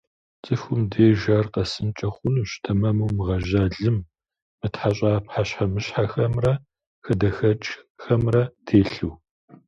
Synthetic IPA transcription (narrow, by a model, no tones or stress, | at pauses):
t͡sʼɨfʊmdeːʒaːrqɐsɨnt͡ʃʼɐχʷʊnuɕtʰɐmɐmɐwmɨʁɐʒaːɮɨm | mɨtħaɕ̬ʼaːpħaɕħamɨɕħaxɐmrɐ | xɐdɐxɐt͡ʃʼxɐmrɐtʰeːɬuw